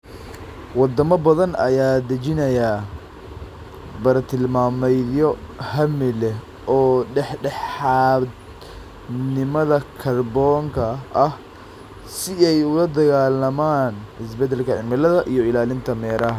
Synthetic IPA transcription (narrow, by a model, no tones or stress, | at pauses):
wɑd̪ɐmɐbɐðɐnɐ̰jaːd̪ɐt͡ʃɪnɐja | bɐɾɐt̪ʰɪlmaːmɛjðjɔhɐmɪlɛ | ɔːɖɛħɖɛħɑːd̪ | nɪmɐðɐkʰɐrbɔːŋkʰɐʔɐh | sɪɛjʊlɐd̪ɐɣaːlɐmaːnɪs̬bɛd̪ːɛlkʰɐʕɪnmɪlɐðɐʔijɞɪlaːlɪnt̪ʰɐmɛːɾɐɦɐ